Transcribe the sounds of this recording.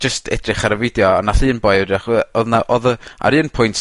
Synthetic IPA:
d͡ʒəstʰɛ̰drɪχaɾəvɪdjɔanaɬɨːnbɔjdaχɔðnaʔɔðəa̰ɾɨːnpʰʊjntʰ

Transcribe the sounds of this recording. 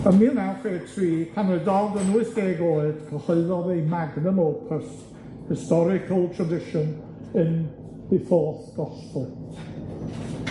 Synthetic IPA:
əmiənafeːtʰriːkʰanɪdɔdənuːɨsd̥eːɡoɨd̥kʰəhɔɨðɔðejmaɡnəmoːpʰəst | hɪstɔɾɪkʰəlˠtʰɹədɪʃən | ən | ðifɔθɡ̥ɔspʊt

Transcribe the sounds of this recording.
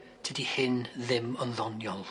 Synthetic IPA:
dʰədihɪnðɪmɔnðɔnjɔlˠ

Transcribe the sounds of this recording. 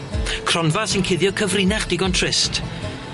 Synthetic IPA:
kʰrɔnvasɪnkʰɪðjɔkʰəvrɪnaχd̥ɪɡɔntʰrɪst

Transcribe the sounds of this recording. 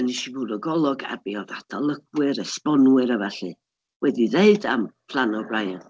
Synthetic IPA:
əniʃivudɔɡɔlˠɔɡa̰biɔðatʰalˠəɡwɨɾəspɔnwɨɾavaɬɨ | wɛdiðeɨda̰mpʰlˠanɔbrajan

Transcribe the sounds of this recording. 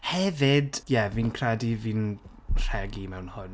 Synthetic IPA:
hɛvɪdjɛvinkʰradivin | r̥ɛɡimɛwnhʊn

